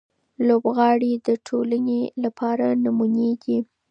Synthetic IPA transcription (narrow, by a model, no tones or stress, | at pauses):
lobɣɑɽid̪əʈʰolanelapʰɑɾanamuneɡi